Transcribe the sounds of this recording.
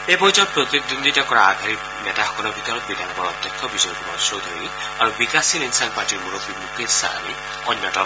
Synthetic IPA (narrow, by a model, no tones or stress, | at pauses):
ebɔid͡ʒɔpɾɔt̪id̪und̪ʱitakɔɹaːɡʱaɾi | nɛtaɦɔkɔnɔbʱit̪ɔɾɔt̪̚bid̪ʱaŋɔbɔɹɔt̪jakʰːɔbisɔɾkimɔsod̪ʱoji | aɹubikasiɾinsanpaʈiɾmuɾobimukesa̰ni | ɔnːjɔʈɔ